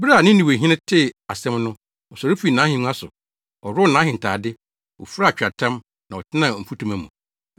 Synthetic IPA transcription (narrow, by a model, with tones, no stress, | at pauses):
bɾa˦˨nɪ̃˦ĩ˨we˨ɦĩ˦nɪ̃˦tʰɪ˦˨a˨sɛ̃˦mnʊ̃˦ | ɔ˨sɔ˨ɾʊ˦fi˦nã˨˦hɪ̃˨˦nu˦a˦sʊ˨ | ɔ˨ɾʊ˦nãː˨˦ɦɪ̃˨n˨taː˨dɪ˦ | wɔ̰˨fɾa˦˨t͡ɕᶣa˨tʰã˦m | nã˨ɔ˨tʰɪ˦nã˨m̩˨fu˦tʰũ˦˨mæ̃˨mũ˨